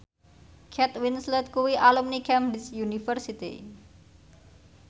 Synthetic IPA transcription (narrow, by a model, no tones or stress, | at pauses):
kʰɛt̪winslət̪̚kuwiʔalumnikɛmdisjunifərsit̪ḭ